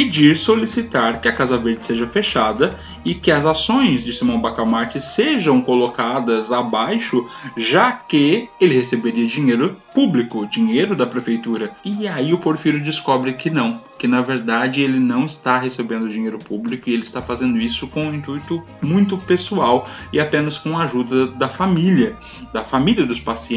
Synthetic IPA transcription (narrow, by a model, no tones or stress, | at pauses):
ped͡ʒiɾsolisit̪aɾkɪɐkazɐveɾd͡ʒɪseʒɐfeʃad̪ɐ | ɪkɪɐzasõj̃zd͡ʒɪsimɐ̃bakamaɾt͡ʃɪseʒɐ̃w̃kolokad̪ɐzabajʃʊʒakɪelɪhesebeɾiɐd͡ʒĩɲejɾʊpublikʊd͡ʒĩɲejɾʊd̪ɐpɾefejt̪uɾɐɪaiʊpoɾfiɾʊd͡ʒɪskɔbɾɪkɪnɐ̃w̃kɪnɐveɾd̪ad͡ʒɪelɪnɐ̃w̃ɪst̪aɦesebẽnd̪ʊd͡ʒĩɲejɾʊpublikʊɪelɪst̪afazẽnd̪ʊisʊkõũĩnt̪ujt̪ʊ | mũj̃t̪ʊpesuawɪapẽnɐskõɐaʒud̪ɐd̪ɐfamilɐ | d̪ɐfamiliɐd̪ʊspasiẽ